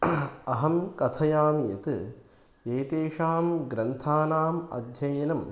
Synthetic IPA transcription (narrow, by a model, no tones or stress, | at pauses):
ɐɦɐmkɐt̪ʰɐjaːmjɐt̪ɨ | eːt̪eːʂaːmɡɾɐnt̪ʰaːnaːmɐ̰d̪ʱjɐjɐnɐm